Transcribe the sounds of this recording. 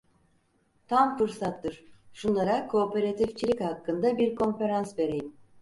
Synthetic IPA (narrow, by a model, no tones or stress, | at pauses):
t̪ʰamfɯɾsat̪ːɯɾ̥ʃunlˠaɾakʰo̞ːpʰe̞ɾat̪ʰift͡ʃʰilʲichakːɯnd̪abiɾkʰo̞nfe̞ɾansve̞ɾe̞jim